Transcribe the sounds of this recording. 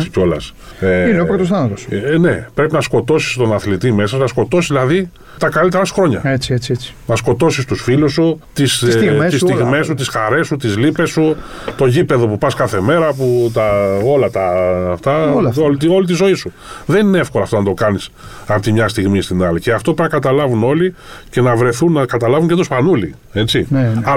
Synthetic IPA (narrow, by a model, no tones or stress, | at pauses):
ico̞lɐs | eineoɾɐt̪osθɐnɐt̪osne̞pɾe̞pinɐsko̞t̪o̞si̥st̪o̞nɐθlit̪ime̞sɐsnɐsko̞t̪o̞sizðilɐði | t̪ɐkalit̪eɾɐsu̥xɾo̞ɲɐ̰et͡siet͡siet͡si̥nɐsko̞t̪o̞sist̪usfilusːut̪issst̪ist̪iɣmme̞sut̪isxaɾe̞sut̪izlipe̞su | t̪o̞ʝipe̞ðo̞pupɐskɐθe̞me̞ɾɐput̪ɐo̞lɐt̪ɐft̪ɐolo̞lit̪̬izo̞isu | ðe̞nineefkolɐft̪onɐt̪o̞kɐnis | ɐpt̪imɲɐst̪iɣmist̪inɐlice̞ɐft̪opeɾɐkɐt̪ɐlɐvuno̞li | ce̞nɐvɾe̞θunːɐkɐt̪ɐlɐvunɲcet̪ospɐnulḭ | e̞t͡sinɐ